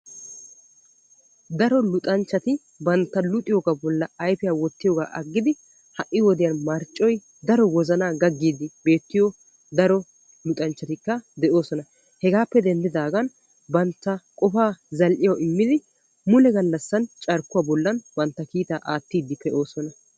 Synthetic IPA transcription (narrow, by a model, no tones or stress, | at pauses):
d̪ɐɾɔlʊt̪ʼɐnt͡ʃːɐt̪ɪ | bɐnt̪ːɐlʊt̪ʼɪjɔːɡaːbɔlːɐɐjfɪjaːwɔt̪ːɪjɔːɡaːʔɐɡːɪd̪ɪ | hɐʔːɪwɔd̪ɪjɐnmɐɾt͡ʃʼːɔj | d̪ɐɾɔwɔzɐnaːɡɐɡːiːd̪ːɪbe̞ːt̪ːɪjɔ | d̪ɐɾɔ | lʊt̪ʼɐnt͡ʃːɐt̪ɪkːɐd̪ɛʔo̞ːsɔnɐ | hɛɡaːpːɛd̪ɛnd̪ɪd̪aːɡɐn | bɐnt̪ːɐkʼɔfaːzɐlʔɪjɐʔɪmːɪd̪ɪ | mʊlɛɡɐlːɐsːɐnt͡ʃʼɐɾkːʊwaːbɔlːɐnbɐnt̪ːɐkiːt̪aːʔaːt̪ːiːd̪ːɪpɛʔo̞ːsɔnɐ